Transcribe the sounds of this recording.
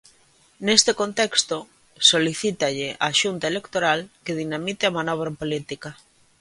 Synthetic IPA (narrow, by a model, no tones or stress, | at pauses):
nest̪ekont̪ɛkst̪o | soliθit̪aʎɪʔaːʃunt̪aelekt̪oɾalkeðinamit̪eamanɔβ̞ɾaempolit̪ika